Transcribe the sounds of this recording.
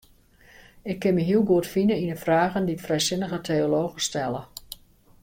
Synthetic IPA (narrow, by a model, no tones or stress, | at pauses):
ɪkʰːɪnmiɦiəlˠɡuətfinəinəfraːɣənditfrɛjsɪnəɣətʰeoloːɣəstɛlə